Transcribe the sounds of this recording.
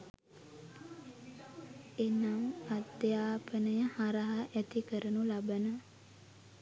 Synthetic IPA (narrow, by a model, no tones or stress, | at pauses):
enaŋad̪jaːpənəjəhaɾaɦaʔæt̪ikəɾənulabənə